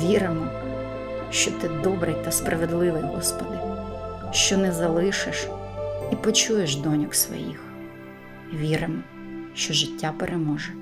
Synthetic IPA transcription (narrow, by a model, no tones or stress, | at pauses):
ʋʲiɾɪmɔ | ʃt͡ʃɔt̪ɪd̪ɔbɾɪjt̪ɐspɾɐʋed̪lˠɪʋɪjɦɔ̰spɔd̪ɪ | ʃt͡ʃɔnɛzɐlˠɪʃɪʃipɔt͡ʃujeʃd̪ɔnʲʊksʋɔ̰jḭx | ʋʲiɾɪmɔ | ʃt͡ʃɔʒɪtʲːapeɾʔemɔʒɛ